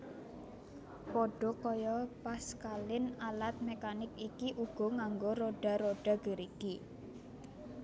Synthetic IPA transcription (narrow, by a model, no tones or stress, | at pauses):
pɔɖ̥ɔ̤kɔjɔpaskalɪnalat̪̚mekanɪkikiʔuɡ̥ɔ̤ŋaŋɡoɾoɖ̥a̤ɾoɖ̥a̤ɡ̥əɾiɡ̥i